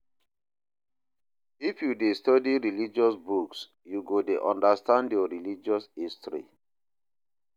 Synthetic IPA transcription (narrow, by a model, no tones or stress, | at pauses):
ifjudestɔdiɹilid͡ʒɔsbuks | juɡodeʔɔ̃ndastãndjɔɹilid͡ʒɔshistɾḭ